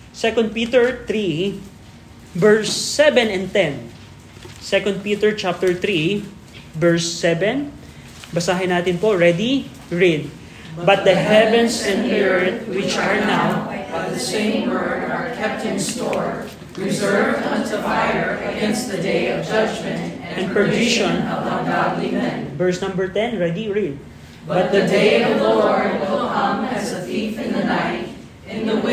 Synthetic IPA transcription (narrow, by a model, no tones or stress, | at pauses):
sɛkɔ̃nd̪̚pit̪ɛɹt̪ɾi | bɛɹsːɛvɛ̃nɛ̃nt̪ɛ̃n | sɛkɔ̃nd̪̚piːt̪ɛɹt͡ʃap̚t̪ɛɹt̪ɾi | bɛɹsːɛvɛ̃n | bɐsaːɦɪnaːt̪ɪnpoɹɛd̪i | ɹɛd̪̚ | bɐt̪̚d̪ɐɦɛvɛ̃nsɛ̃nɛɹt̪̚wɪt͡ʃɐɹnawɨsẽɪ̃mwɜ˞də˞kʰɛp̚t̚hɨ̃nstɔɹ | ɹɪzɜ˞vʌsəvajə˞ɨɡɛ̃ns̚ðɨdeɪʌvd͡ʒʌd͡ʒmɛ̃nt̪ɛ̃npɹəvɪʃɔ̃nʌəɡɑdlimɛ̃nvɛɹsnʌ̃mbəɹt̪ɛ̃nɹɛd̪iɹid̪̚ | bbʌt̪̚d̪ədeɪəlo | hʌ̃mɨzəθiθɨ̃nðənaɪt | ɨ̃nðə